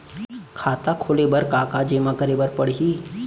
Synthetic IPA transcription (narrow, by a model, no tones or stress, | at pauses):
kʰaːt̪akʰoːlebəɾkaːkad͡ʒeːmãkəɾebəɾpəɽɦiː